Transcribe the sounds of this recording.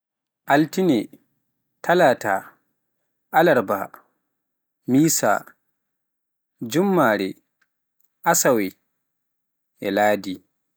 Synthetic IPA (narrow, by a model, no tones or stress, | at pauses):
ʔaltinɛ | tʰalata̰ | ʔalaɾba̰ | miːsa̰ | d͡ʒumːaɾɛ | ʔasawɛ | ʔɛlaːdi